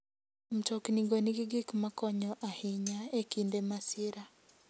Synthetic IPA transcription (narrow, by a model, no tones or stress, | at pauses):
m̩t͡ʃɔkniɡoniɡiɡikmakɔɲɔʔahɪɲaekindemasɪɾa